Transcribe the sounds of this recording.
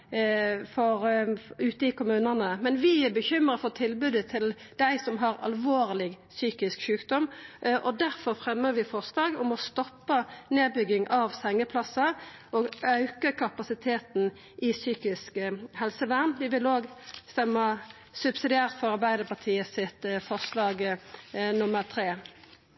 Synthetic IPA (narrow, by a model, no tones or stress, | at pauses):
fɔɾʉːt̪əɪkʊmʉːnənəmɛnʋɪæbəçʏmɾəfɔt̪ʰɪlbʉːd̪ət̪ʰɪl | d̪̥æɪsɔmɦɑɾɑ̰lʋoːʁlɪɡ | syːkɪskʃʉːkd̪ɔmʔɔd̪æɾfɔɾfɾɛmːəɾʋɪfɔʁsd̪ɑːɡʊmɔst̪ɔpːəneːbʏɡɪŋʔɑʋsɛŋːəpʰlɑsɑɔɡœʉkəkʰɑpɑsɪt̪ʰeːt̪n | ʔɪsyːkɪskhɛlsəʋæʁnʋɪʋɪloːɡst̪ɛmːɑ | sʉbsɪd̪ɪæːʁt̪fɔɾɑɾbæɪd̪əpɑt̪ʰiːəsɪt̪fɔʁslɑːɡ | nʊməɾt̪ʰɾeː